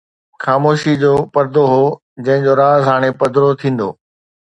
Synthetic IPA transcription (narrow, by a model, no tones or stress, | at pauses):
xaːmoːʃid͡ʑoːpɐɾd̪oɦoː | d͡ʑɐ̃ɦɪ̃ɲd͡ʑoɾaːzɦaːɽ̃epɐd̪ɾot̪ʰĩːn̆d̪o̰ː